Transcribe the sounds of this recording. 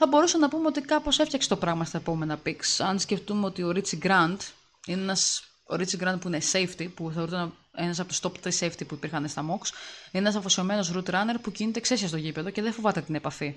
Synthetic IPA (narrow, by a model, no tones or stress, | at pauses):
θɐbo̞ɾusɐnɐpumeo̞t̪ikɐpo̞seftçɐkse̥t̪o̞pɾɐɣmɐst̪ɐepo̞me̞nɐpiksɐnsce̞ft̪umeo̞t̪io̞ɾit͡siɡɾɐnd̪ | ineenɐs | o̞̰ɾit͡siɡɾɐnd̪̚puine̞se̞jft̪ipuθɐoɾut̪ene̞nɐs̬ɐpot̪st̪o̞pt̪ɾisejft̪ipuipiɾxɐnest̪ɐmoksineenɐsɐfosio̞me̞no̞sɾut̪ɾɐne̞ɾpucinit̪ekse̞siɐst̪o̞ʝipeðo̞ceðefo̞vɐt̪e̞t̪ine̞pɐfi